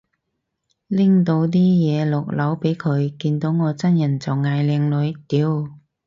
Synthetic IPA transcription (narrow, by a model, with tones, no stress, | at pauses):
lɪ˥ŋt̪o˨˧wt̪̬iː˥jɛː˨˧lʊ˨k̚lɐ˨˥wpe˨˥jkʰɵ˨˧ɥkiː˧nt̪o˨˥wŋɔː˨˧t͡sɐ˥njɐ˨˩nt͡sɐ˨˩wŋaː˧jlɛː˨˧ŋlɵ˨˧ɥt̪iː˨˧˥w